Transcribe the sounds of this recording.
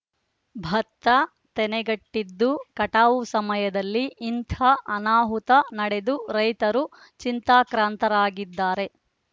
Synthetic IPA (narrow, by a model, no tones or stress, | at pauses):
bʱɐt̪ːɐ | t̪ɛnɛɡɐʈːid̪ːukɐʈaːʋusɐmɐjɐd̪ɐlːiːnt̪ʰɐʔːnaːɦut̪ɐnɐɽe̞d̪uɾɐjt̪ɐɾu | t͡ʃint̪aːkɾaːnt̪ɐɾaːɡid̪ːaːɾe̞